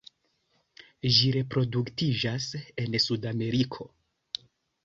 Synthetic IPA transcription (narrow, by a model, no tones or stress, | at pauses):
ʒiɾe̞pɾo̞duktid͡ʒase̞nsudame̞ɾikʰo̞